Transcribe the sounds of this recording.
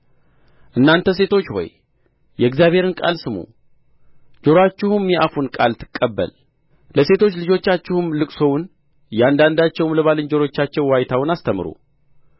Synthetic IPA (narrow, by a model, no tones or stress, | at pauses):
ʔɨnːant̪ʰəs̬e̞t̪ʰo̞t͡ʃːho̞̰j | jɛɡzjaβhe̞ɾɨnkʼa̰lsɨmṵ | d͡ʒo̞ɾat͡ʃːɪhumjɛʔafunkʼalt̪ʰɨ̥kʼːəbːə̰l | ləse̞t̪ʰo̞t͡ʃːlɨd͡ʒo̞t͡ʃːat͡ʃːɪhumlɨkʼsowʊn | jɛand̪and̪at͡ʃːɛwmləβalɨnd͡ʒo̞ɾo̞t͡ʃːat͡ʃːɛwwajt̪ʰawnast̪ʰəmɨɾṵ